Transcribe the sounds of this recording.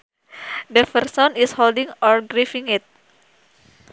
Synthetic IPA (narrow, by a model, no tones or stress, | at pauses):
dəfərsɔnisholdĩŋɔɹɡɾifĩŋit̪̚